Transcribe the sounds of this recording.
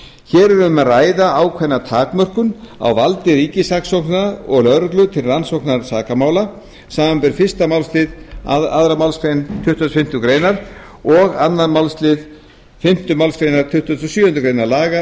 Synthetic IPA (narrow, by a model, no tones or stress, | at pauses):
çɛːɾɛɾʏmaraːjðaawkʰvɛnːat̪ʰaːkmœr̥kʏna̰wvalt̪ɪɾiːcɪsaksowhknaaɔɣlœɾt̪lʏt̪ʰɪlransowknaɾsaːkamaːwla | saːmanpɛɾfɪr̥st̪amawlst̪lɪðaðɾamawlskɾejnt̪ʰʏht̪ʏnfɪm̥t̪ʏkɾeːjnaɾ | ɔɣanːamawlst̪lɪð | fɪm̥t̪ʏmawlskɾejnaɾt̪ʰʏht̪ʏsɔsʏːʏnt̪ʏkɾejnaɾlaːɣa